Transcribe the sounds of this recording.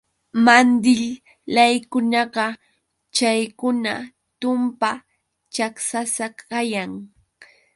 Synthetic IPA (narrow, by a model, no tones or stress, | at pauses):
mand̪ɪʎ | lajkʊnɑɢɑ | t͡ʃajkʊna | t̪ʊmpa | t͡ʃaksasakajaŋ